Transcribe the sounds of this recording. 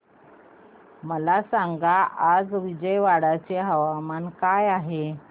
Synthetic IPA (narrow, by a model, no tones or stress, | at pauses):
məlasaŋɡaʔad͡zʋid͡ʑəjʋaɽat͡ɕeɦəʋamankajaɦe